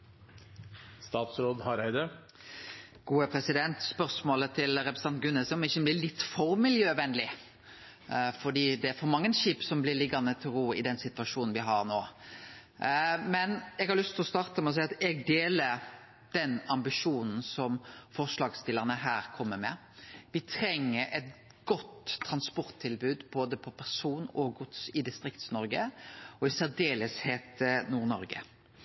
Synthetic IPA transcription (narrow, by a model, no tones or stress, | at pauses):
st̪ɑːt̪sɾoːd̪hɑɾæɪd̪ə | ɡ̥uːəpʰɾɛsɪd̪ɛnt̪spœɾsmoːlət̪ʰɪlɾɛpɾɛs̩əɑnt̪̚ɡʉnːəsɔmɪçːəblɪːlɪt̪ːfɔɾmɪljøːʋɛnlɪ | fɔɖ̪iːd̪ɛæɾfɔɾmɑŋːənʃiːpsɔmblɪɾlɪɡɑnət̪ʰɪɾuːɪ̰d̪ɛnsɪt̪ʋɑʂuːnn̩ʋɪɦɑɾnoː | mɛnɛɡhɑɾlʏst̪ʰɪlɔst̪ɑːɾt̪əmɛɔs̬ɛɪɑt̪ɛɡ̚d̪eːlə | d̪̥ɛnɑmbɪʂuːnn̩sɔmfɔʁʂlɑːɡst̪ɪləʁnəɦæːɾkʰɔmːəmɛ | ʋɪt̪ʰɾɛŋːəɾʔɛt̪̚ | ɡ̥ɔt̪ʰːɾɑnspɔɾt̪ʰːɪlbʉːd̪boːd̪əpʰɔpʰæʁsuːnɔɡʊt̪sɪd̪ɪst̪ɾɪkt̪snɔɾɡəɔɪsæd̪eːləsheːt̪ənuːʁnɔɾɡə̰